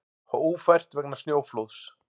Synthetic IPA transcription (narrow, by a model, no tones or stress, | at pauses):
hauːfajr̥t̪vɛknḁsnjoːwflowðs